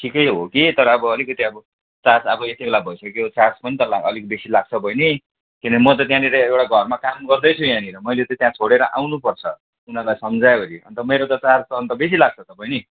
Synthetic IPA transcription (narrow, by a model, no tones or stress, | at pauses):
ʈʰikʌjɦokit̪ʌɾʌːbʌʌlikʌt̪iʌbʌ | t͡sasʌbʌet̪ibelabʱʌjsʌkjot͡saspʌnit̪ʌlaʌlik̚besilaɡ̚t͡sʰʌbʱʌjne | kinʌkimʌt̪̬ʌt̪jãniɾeewʈaɡʱʌrmakamɡʌrd̪ʌjt͡sʰujãniɾʌmʌjlet̪ʌt̪jãt͡sʰoɽeɾʌʔa̰wnupʌrt͡sʰʌ | unalajsʌmd͡zaeoɾiʌ̰nt̪ʌmeɾot̪ʌt͡sast̪ʌːnt̪ʌbes̬ilaɡ̚t͡sʰʌt̪ʌpajni